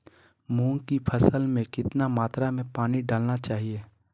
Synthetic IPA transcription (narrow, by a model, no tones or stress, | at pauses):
mũːkipʰəsəlmẽkɪt̪namaːt̪ɾamẽpaːniɖaːlnat͡ʃaːɦieː